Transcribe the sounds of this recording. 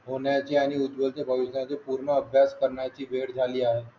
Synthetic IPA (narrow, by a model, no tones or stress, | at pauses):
ɦoːnjat͡ʃejaːniʊd̪bəlt̪ebʱɐʋɪʃnãt͡ʃepuːɾnaɐbʱjaːskɐɾnat͡ʃiʋeːɽd͡ʒʱaːliaːɦeː